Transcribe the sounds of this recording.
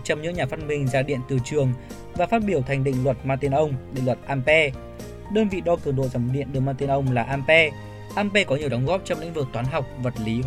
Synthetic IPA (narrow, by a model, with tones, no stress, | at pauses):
t͡ɕɔ˧wŋ͡mɲɨ̰˧˥ŋɲaː˨˩fa˧nmï˧˩ŋ̟zaː˧ɗḭ˧˨ənt̪ɨ˨˩t͡ɕɨ˨˩əŋ | vaː˨˩faː˦˥t̚ɓi˧˩əwt̪ʰa˨˩jŋ̟ɗḭ̈˧˨ŋ̟lwə˨˩t̚maː˧t̪i˧ənʔə˧wŋ͡mɗḭ˧˨lwə˨˩t̚ʔaː˧mpɛ˧ | ɗəː˧nvḭ˧˨ɗɔ˧kɨ˨˩əŋɗo̰˧˨zaː˨˧˩mɗḭ˧˨ənɗɨ˨˧˩əmaː˧t̪i˧ənʔə˧wŋ͡mlaː˨˩ʔaː˧mpɛ˧ | ʔaː˧mpɛ˧kɔ˨˦ɲi˨˩əwɗɔ˨˦wŋ͡mɣɔ˦˥p̚t͡ɕɔ˧wŋ͡mlḭ˧˥ŋ̟vɨ˨˩k̚t̪waː˨˦nɦa˨˩wk͡p̚və˨˩t̚li˨˦